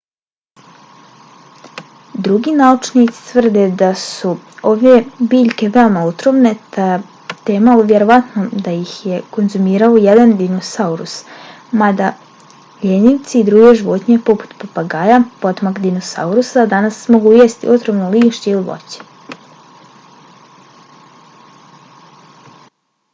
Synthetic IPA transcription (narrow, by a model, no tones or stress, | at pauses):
d̪ɾuɡinaut͡ʃnit̪si̥t̪ʋr̩d̪e̞d̪asu | oʋebiːʎke̞ʋe̞omaut̪ɾomne̞t̪a | t̪eːmauʋjeɾoʋat̪nod̪ajixje̞ko̞nzumiːɾaojed̪and̪inosauɾṵs | mad̪a | ʎeniʋt̪siːd̪ɾuːɡe̞ʒiʋot̪ɲe̞po̞pu̥t̪papaɡaːjapo̞t̪makd̪inosa̰uɾusad̪anasmo̞ɡuːjest̪ḭʔut̪ɾomnoliːʃt͡ɕeiliʋo̰t͡ɕi̥